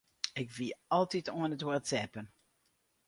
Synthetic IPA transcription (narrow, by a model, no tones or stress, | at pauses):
ɪkʋiɑlˠtitoənətworətsɛpən